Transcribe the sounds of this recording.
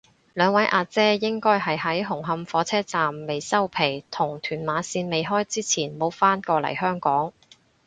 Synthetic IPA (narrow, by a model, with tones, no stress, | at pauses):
lœː˨˧ŋwɐ˨˥jʔaː˧t͡sɛː˥jɪ˥ŋkɔː˥jhɐ˨jɦɐ˨˥jɦʊ˨˩ŋɦɐ˧mfɔː˨˥t͡sʰɛː˥t͡saː˨mːe˨jsɐ˥wpʰe˨˩jt̪ʰʊ˨˩ŋt̪ʰyː˨˩nmaː˨˧˥siː˧nme˨jɦɔː˥jt͡siː˥t͡sʰiː˨˩nmo˨˥wfaː˥nkɔː˧lɐ̰˨˩jɦœː˥ŋkɔː˨˥ŋ